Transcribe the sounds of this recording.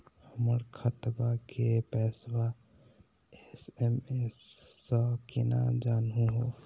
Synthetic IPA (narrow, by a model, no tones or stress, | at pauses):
həməɾkʰət̪bakʰepɛsba | esemesːə̃kena̰d͡ʒanɦũɦo